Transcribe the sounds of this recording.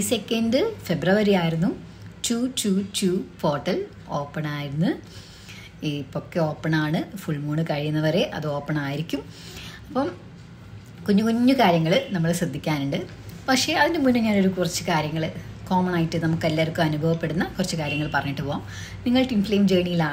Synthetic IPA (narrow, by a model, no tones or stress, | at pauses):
isekʲːɐndɨfe̞brɐʋɐɾiaːjiɾunːu | tuːtuːtuːfo̞ːrʈːɐl | o̞ːpːɐɳaːjiɾunːu | ipokːeo̞ːpːɐɳaːɳɨfuɭmuːɳɨkɐɻijunːɐʋɐɾe̞ʔɐ̰ðɨo̞ːpːɐɳaːjiɾikʲːum | ɐpːɐm | koɲːukoɲːukaːɾjɐŋːɐɭnɐmːɐɭsrɐd̪ʱːikʲːaːnuɳɖɨ | pɐkʂe̞ɐðindɨmunːɨɲaːno̞ɾukurɐt͡ɕːɨkaːɾjɐŋːɐɭko̞ːmɐnaːjitːɨnɐmukːɐlːaːrkːumɐnubʱɐʋɐpːe̞ɽunːɐkurɐt͡ɕːɨkaːɾjɐŋːɐɭpɐrɐɲːiʈːɨpoːaːm | niŋːɐɭʈinfleːmd͡ʑeːɳijilaː